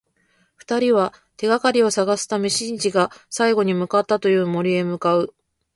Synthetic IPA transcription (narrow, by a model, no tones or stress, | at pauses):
ɸɯ̟̥t̪aɾʲiβa | t̪e̞ɡakaɾʲio̞saɡasɨ̥t̪ame̞ɕĩɲd͡ʑiɡasaiɡo̞ɲ̟imɯ̟kat̪ːat̪o̞jɯ̟ːmo̞ɾʲie̞mɯ̟kaɯ̟